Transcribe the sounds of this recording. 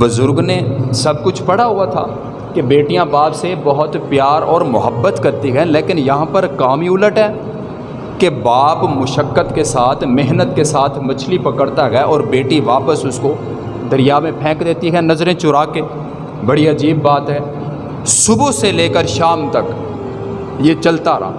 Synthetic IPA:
bʊzʊɾɡnesɐb̚kʊt͡ʃʰpɐɽaɦʊat̪ʰa̰ː | kebeːʈijãbaːpsebɔɦʊt̪pjaːɾɔːɾmʊɦəbːət̪kɐɾt̪iɦɛleːkɪnjɐɦãpəɾkaːmiʊləʈɦɛː | kebaːpmʊʃəkːət̪kesaːt̪ʰmɪɦnət̪kesaːt̪ʰmɐt͡ʃʰlipɐkəɽt̪aɡɛːʔɔːɾbeːʈiʋaːpəsʊsko | d̪ɐɾɪjamẽpʰɛ̃ːkd̪eːt̪iɦɛnɐzɾẽt͡ʃʊɾaːkeː | bɐɽiɐd͡ʒiːbːaːt̪ɦɛː | sʊbuseleːkəɾʃaːmt̪ɐk | jeːt͡ʃɐlt̪aɾa̰ː

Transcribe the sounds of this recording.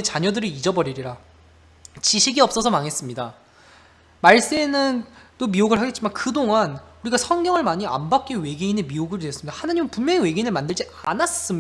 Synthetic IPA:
et͡ɕaɲʌdɯɾiid͡ʑʌbʌɾiɾiɾa | t͡ɕiɕʰiɡiʌp̚s͈ʌsʰʌmaŋɦe̞s͈ɯmɲida | maɭs͈e̞nɯnt͈omioɡɯɭhaɡe̞t̚t͡ɕ͈imankɯdoŋanuɾiɡasʰʌŋɡjʌŋɯɭmaɲia̰mbak̚k͈ewe̞ɡeinemioɡɯɾes͈ɯmɲidahanaɲimɯnpunmjʌŋewe̞ɡeinɯɭmandɯɭd͡ʑianas͈ɯm

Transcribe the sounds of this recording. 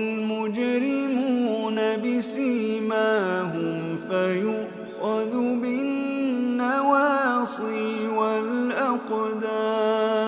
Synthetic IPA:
lmʊd͡ʒɾɪmuuːnabɪsimaːhʊm | fajʊʔ | xɑðʊbɪː | awaːsˤɨwalʔɑqd̪aː

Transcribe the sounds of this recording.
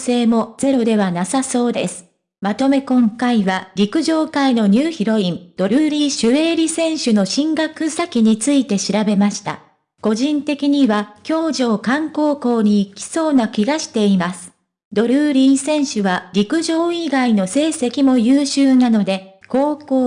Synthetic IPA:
se̞ːmo̞z̥e̞ɾo̞d̪e̞β̞anasaso̞ːd̪e̞̰sɨ̥ | mat̪o̞me̞kõ̞ŋkaiβaɾʲikɯ̟ʑo̞ːkaino̞ɲ̟ɨːçiɾo̞ĩnd̪̥o̞ɾɯ̟ːɾʲiːɕɨe̞ːɾʲisẽ̞ɰ̃ɕɨno̞ɕĩŋɡakɯ̟sakʲiɲ̟it͡sɨit̪e̞ɕiɾabe̞maɕi̥t̪a̰ | ko̞ʑĩnt̪e̞kʲiɲ̟iβakʲo̞ːʑo̞ːkãŋko̞ːko̞ːɲ̟iːkʲi̥so̞ːnakʲiɡaɕi̥t̪e̞imasɨ̥ | d̪o̞ɾɯ̟ːɾʲĩsẽ̞ɰ̃ɕɨβaɾʲikɯ̟ʑo̞ːiɡaino̞se̞ːse̞kʲimo̞jɯːɕɨːnano̞d̪e̞ko̞ːkoː

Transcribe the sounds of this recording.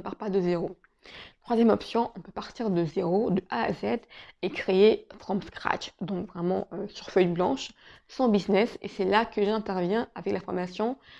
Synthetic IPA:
paʁpad̪əzeʁo | t̪χwazjɛmɔpsjɔ̃ʔɔ̃pøpaʁt̪iʁd̪əzeʁod̪əʔaa̰zɛd̪ekχeefχɑ̃mpskχa̰ʃd̪ɔ̃kvʁɛmɑ̃øsyʁfœjblɑ̃ʃsɑ̃biznɛsḛsɛlakəʒɛ̃t̪ɛʁvjɛ̃avɛklafɔʁmasjɔ̃

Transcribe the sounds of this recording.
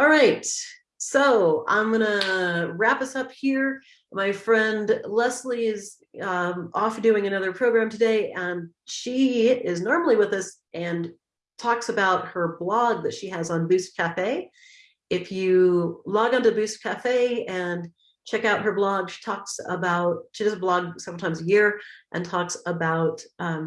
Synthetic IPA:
ɔlˠɹaɪt | soʊã̰ɪ̃mɡʌnəɹæpʌsʌphiɹ | maɪfɹɛ̃ndlɛsliɪz | ʌʔɔfdʉɪ̃ŋɨnʌðə˞pʰɹ̥oʊɡɹæ̃mtʰɨdeɪʔɨ̃n | ʃiɪznɔɹml̩ˠiwəðʌs | ʔɨ̃n | tʰɔksɨbaʊt̚hə˞blɔɡ̚ðɨtʃiɨzn̩bʉs̚kʰæfeɪ | ɪfjɨlɔɡɨ̃ntɨbʉstkʰæfeɪɨ̃n | t͡ʃʰɛkaʊt̚ɦə˞blɔɡʃi̥tʰɔksə̰baʊt̚ʃidʌzəblɔɡ̚sɛvɹl̩ˠtʰãɪ̃mzɨjɪɹʔɨ̰̃ntʰɔksəbaʊt̚ʌ̃

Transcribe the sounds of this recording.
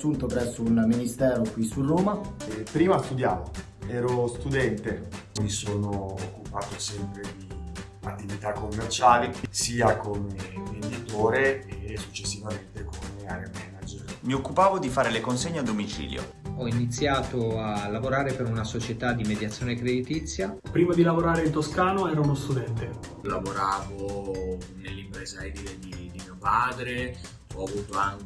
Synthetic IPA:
sunt̪opɾɛsːounminist̪ɛːɾokwisuroːmapːɾiːmaːst̪ud̪jaːvo | ɛːɾost̪ud̪ɛnt̪emisoːnoːkːupaːt̪osɛmpɾed̪i | at̪ːivit̪akːomːert͡ʃaːlisiːakomevend̪it̪oːɾeːsːut͡ʃːesːivament̪ekomeaɾamɛnːad͡ʒermiokːupaːvod̪ifaːɾelekonseɲːead̪ːomit͡ʃḭːljo̰ | ɔinit̪sːjaːt̪oalːavoɾaːɾepeɾunasot͡ʃet̪ad̪ːimed̪jat̪sːjoːnekɾed̪it̪it̪sːjapɾiːmad̪ilavoɾaːɾeint̪oskaːnoɛːɾaunost̪ud̪ɛnt̪e | lavoɾaːvo | nelːimpɾɛːzaed̪iled̪id̪imiopaːd̪ɾe | ɔavuːt̪oaŋk

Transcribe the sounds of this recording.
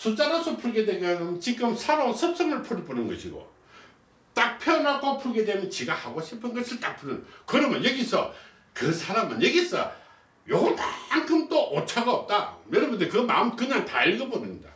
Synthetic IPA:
sʰut͡ɕ͈aɾasʰopʰuɭɡe̞dwemjʌnnt͡ɕik͈ɯmsʰaɾonsʰʌp̚sʰʌmɯɭpʰuɾiponɯnɡʌɕʰiɡo̰ | t͈ak̚pʰjʌnɦaɡopʰuɭɡe̞dwemjʌnt͡ɕiɡahaɡoɕʰipʰɯnɡʌsʰɯɭt͈ak̚pʰunɯnkɯɾʌmjʌnjʌɡisʰʌ̰ | kɯsʰaɾamɯnjʌɡisʰʌ̰ | joɡʌntaankʰɯmt͈oʔot͡ɕʰaɡaʌp̚t͈ajʌɾʌbundekɯma̰ɯmkɯɲaŋtaiɭɡʌbonɯmɲida̰

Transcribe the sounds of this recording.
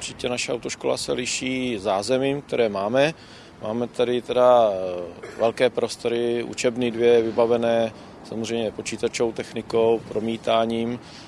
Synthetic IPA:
uɾt͡ʃɪcɛnaʃɛawt̪oʃkola̰sɛlɪʃiːzaːzɛmiːmk̚t̪ɛɾɛːmaːmɛ | ma̰ːmɛt̪adɪt̪ɛda | vɛlkɛːpɾo̞st̪o̞ɾɪʔṵt͡ʃɛbnidvjɛvɪbavɛnɛː | samozrɛjmɲɛpo̞t͡ʃiːt̪at͡ʃowt̪ɛxnɪkowpɾo̞miːt̪aːɲiːm

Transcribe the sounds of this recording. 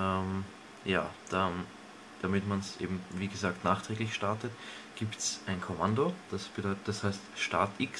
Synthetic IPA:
ɛm | ja̰ːd̥a | d̥amɪtmansʔḛːbm̩viːɡəzaːktnaːχtʁ̥ɛːɡlɪçʃtaɐtət | ɡ̥iːptsʔaɪnkʰomandod̥asb̥ədɔʏtd̥ashaɪstʃtaɐtɪks

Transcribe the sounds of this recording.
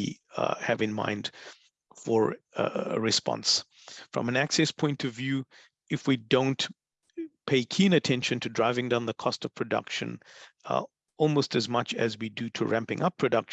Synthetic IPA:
hɨvɨ̃nmã̰ɪ̃nd̥ | fə̰˞ | ɹɨspɑ̰̃ns | fɹʌ̰̃mɨ̃næksɛspʰɔ̃ɪ̃ntʌvjʉ | ɨfwidõʊ̃nt | pʰeɪkʰĩɨ̃nɨtʰɛ̃nʃɨ̃ntʰɨdɹaɪvɪ̃ŋdãʊ̃nðəkʰɔstʌv̥pʰɹ̥ɨdʌ̰kʃɨ̰̃n | ɔlˠmoʊstɨzmʌt͡ʃɨ̰zwidɨɾɨɹʔæ̃mpɪ̰̃ŋʔʌpʰɹ̥ɨdʌkʃ

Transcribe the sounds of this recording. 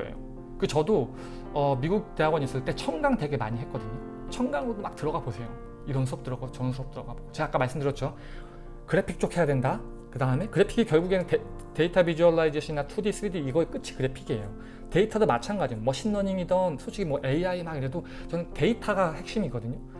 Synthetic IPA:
ḛjo̰ | kɯt͡ɕʌdo | ʌmiɡuk̚teɦaɡwʌɲis͈ɯɭt͈e̞t͡ɕʰʌŋɡaŋde̞ɡe̞maɲiɦet̚k͈ʌdɯɲo | t͡ɕʰʌŋɡaŋodomak̚tɯɾʌɡabosʰe̞jo | iɾʌnsʰuʌp̚t͈ɯɾʌɡat͡ɕʌns̬ʰuʌp̚t͈ɯɾʌɡaboɡot͡ɕeɡak͈amaɭs͈ɯmdɯɾjʌt͡ɕ͈o | kɯɾe̞pʰik̚t͡ɕ͈okʰe̞jadwe̞nda | kɯdaɯme̞kɯɾe̞pʰiɡikjʌɭɡuɡenɯne | te̞itʰabid͡ʑuʌɭːaid͡ʑeɕʰinatʰudis͈ʰɯɾidiːɡʌek͈ɯt͡ɕʰi̥kɯɾe̞pʰiɡie̞jo | te̞itʰadomat͡ɕʰanɡad͡ʑiɡomʌɕʰinːʌɲiŋidʌnsʰoɕʰiɡimwʌʔe̞iaimaɡiɾe̞do | t͡ɕʌnɯnte̞itʰaɡahe̞k̚ɕ͈imiɡʌdɯɲo

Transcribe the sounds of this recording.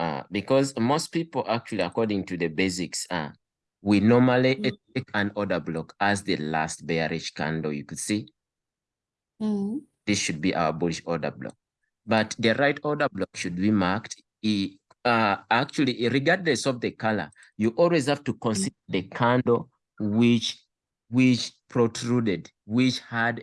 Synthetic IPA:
ʌ̰bikɔzmos̚pipl̩ˠak̚t͡ʃulˠiəkɔɹdɪ̃ŋtuðɨbeɪsɪksa̰ | winɔɹmaliʔɛekʰə̃nɔdə˞blɔkəzðɨla̰st̚bɛɹɪʃkʰã̰ndojukɨd̥si | ðisʃɨd̚biʔa̰ʊəbʊɾɪʃɔdə̰˞blɔ̰k̚ | b̥ʌt̪ðəɹaɪtʰɔɹdə˞blɔkʃud̚bimakt | ak̚t͡ʃul̩ˠiʔɹiɡadləsɔvðəkʰalə̰˞ | juʔɔlˠwizhaftukɔ̃nsidəðɨkʰãndo | wɪt͡ʃ | wɪt͡ʃpʰɹotʰɹudɨd | wit͡ʃhəd

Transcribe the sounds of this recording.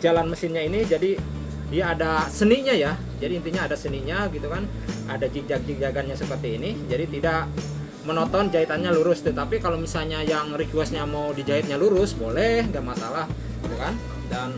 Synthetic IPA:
d͡ʒalanməsɪnɲainid͡ʒadi | dijaːdasəniɲaja | d͡ʒadiːnt̪iɲaːdasəniɲaɡit̪ukan | adad͡ʒik̚d͡ʒak̚d͡ʒik̚d͡ʒaɡanɲasəpərt̪iːnid͡ʒadit̪idak | mənɔt̪ɔnd͡ʒait̪anɲaluɾʊst̪ut̪apikalomisalɲajaŋrit͡ʃuasɲamaudid͡ʒaɪt̪̚ɲaluɾʊsbolɛhŋɡaʔmasalah | ɡit̪ukan | daŋ

